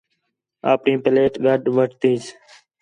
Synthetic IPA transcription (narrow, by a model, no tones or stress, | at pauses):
aːpnĩːpəleːʈɡʱəɖʋəʈt̪ĩːs